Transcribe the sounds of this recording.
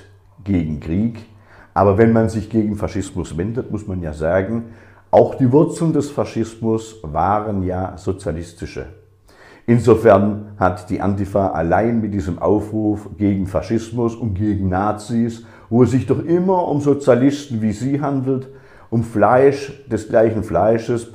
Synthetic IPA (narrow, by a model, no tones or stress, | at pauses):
ɡ̥eːɡŋ̩kʁ̥iːk | ʔaːbɐvɛnmanzɪçɡ̥eːɡŋ̩faʃɪsmʊsv̥ɛndətmʊsmanja̰ːzaːɡŋ̩ | ʔaʊxd̥iːvʊɐt͡sl̩ndɛsfaʃɪstmʊsvaːʁənjaːzot͡sjalɪstɪʃə̰ | ʔɪnzofɛɐnhatd̥iːʔa̰ntifaːʔa̰laɪnmɪtd̥iːzəmʔa̰ʊfʁuːfɡ̥eːɡŋ̩faʃɪsmʊsʊntɡ̥eːɡŋ̩naːt͡sis | voːɛs̬z̥ɪçd̥ɔχʔɪmɐʔʊmzot͡sjalɪstn̩viːziːɦandl̩t | ʔʊmflaɪʃd̥ɛsɡ̥laɪçn̩flaɪʃəs